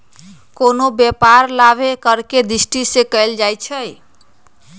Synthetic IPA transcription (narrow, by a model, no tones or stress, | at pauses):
konobjepaɾlabʱekəɾked̪ɾisʈisekəjld͡ʒajt͡ʃʰəj